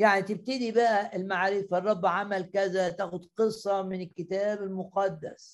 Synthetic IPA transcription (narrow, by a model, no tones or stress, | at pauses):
jaʕnit̪ɪb̚t̪ɪd̪ibæʔæɪlmaʕaːɾiːfɑrˤːɑbːʕamælkæzæt̪æːxʊd̪qɨsˤːɑmɪnɪlkɪt̪æːbɪlmʊqɑd̪ːæ̰s